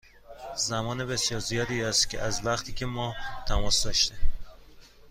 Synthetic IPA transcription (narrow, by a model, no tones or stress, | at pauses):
zæmɒːnebe̞sjɒːɾzijɒːd̪iːæst̪cʰḛʔæzvæχt̪ʰiːcʰe̞mɒːt̪ʰæmɒːsd̪ɒːʃt̪e